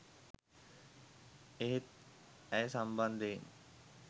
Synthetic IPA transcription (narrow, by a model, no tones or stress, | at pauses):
eɦet̪̚ɛjsamband̪en